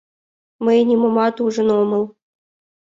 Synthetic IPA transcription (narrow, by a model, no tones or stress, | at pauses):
məjnʲimɤ̆mɑt̪uʐɤ̆nomɤ̆lˠ